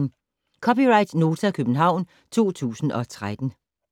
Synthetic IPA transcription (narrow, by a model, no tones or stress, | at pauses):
kʰɒ̽piʁɑ̈ɪd̥no̝ːt͡sʰækʰøb̥n̩ɦɑ̈ʊ̰n | t͡sʰo̝̰ːt͡sʰṵːsn̩ʔɒ̽t͡sʰʁad̥n̩